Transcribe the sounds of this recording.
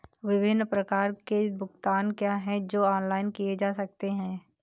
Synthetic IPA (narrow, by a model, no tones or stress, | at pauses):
ʋɪbɪnːpɾəkaːɾkebʊɡt̪aːnkjaːɦɛ̃d͡ʒoːɔːnlaːɪnkijed͡ʒaːsɐk̚t̪eɦɛ̃ː